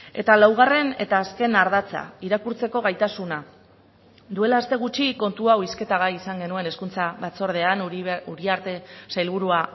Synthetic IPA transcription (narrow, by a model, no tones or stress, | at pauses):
e̞t̪alawɣ̞are̞ne̞̰t̪aːske̞naɾðat͡sa̰iɾakuɾt͡se̞ko̞ɣ̞ajt̪asuna | d̪ue̞laːst̪e̞ɣ̞ut͡ʃiko̞nt̪uawiske̞t̪aɣaisaŋɡe̞nue̞ne̞skunt͡saβat͡so̞ɾð̞e̞anuɾiaɾt̪e̞sajlβ̞uɾua